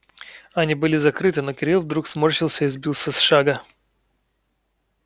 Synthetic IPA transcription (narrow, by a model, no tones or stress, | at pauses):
ɐnʲibɨlʲɪzɐkɾɨt̪ɨno̞kʲɪɾʲilˠvd̪ɾuksmorɕɪlˠsʲəizbʲilˠsʲəsʂaɡə